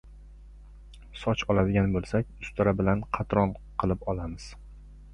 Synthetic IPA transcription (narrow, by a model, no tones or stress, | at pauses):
sɒt͡ʃʰɒlˠad̪ɪɡʲanbolˠsakʲʊst̪ʰɪɾabɪlanqʰɑt̪ʰɾɒnqʰɨlˠɪpɒlamɪz̥